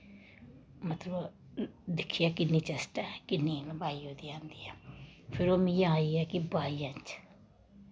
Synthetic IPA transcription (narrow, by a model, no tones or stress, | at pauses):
mət̪ləb | d̪ɪkʰːijaːkɪnːiːt͡ʃɛsʈɛːkɪnːiːləbaːiːɦoːd̪iːãːnd̪iːaːpʰɪɾoːmĩjããiːɛːkɪbaːiːãːnt͡ʃ